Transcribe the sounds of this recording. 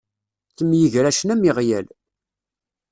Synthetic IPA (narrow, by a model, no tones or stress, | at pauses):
θəmjəʝɾæʃnæmiʁjæl